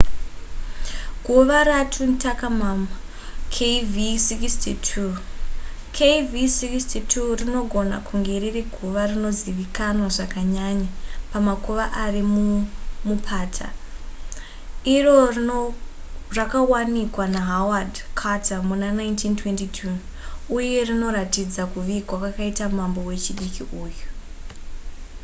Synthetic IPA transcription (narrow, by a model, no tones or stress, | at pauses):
ɡʱuʋaɾatʰuntʰakamama | kʰevisikistitʰu | kʰevisikstitʰurino̞ɡʱo̞na̰kʰuŋɡe̞ririɡʱuʋarino̞ziʋikanwaʐakaɲaɲapamakuʋaʔarimumupʰaːtʰa̰ | iro̞r | rakawanikwanaɦawadkʰatʰamunanaintʰintwe̞ntitʰuuje̞rino̞ɾatid͡zakuʋikwakakaitamambo̞we̞t͡ʃiɗikiʔuːju